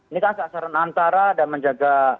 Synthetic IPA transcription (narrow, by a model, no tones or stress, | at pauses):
inikansəasaɾanant̪aɾadanməɲd͡ʒaɡa